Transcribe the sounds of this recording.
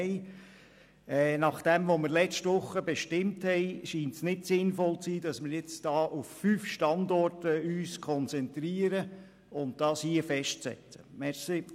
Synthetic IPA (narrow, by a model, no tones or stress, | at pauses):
ɪ | ɛːnɑχd̥ɛmʋomɪɾlɛt͡ʃtʋʊχːəbɛʃtɪmthɛɪʃiːntsnɪdsɪnfɔlt͡siːdɑsmɪɾjɪt͡sd̥ɑːʔuffyːfʃtɑndɔrtəyːskʰɔnt͡sɛnt̪ɾiːəɾə | ʊnt̚d̥ɑːshiəfɛʃtsɛ̰t͡sə̥mɛɾsi